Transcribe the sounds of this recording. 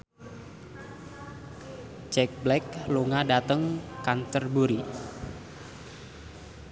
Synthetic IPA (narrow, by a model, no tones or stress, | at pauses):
t͡ʃɛk̚blɛkluŋadat̪əŋkant̪ərbuɾi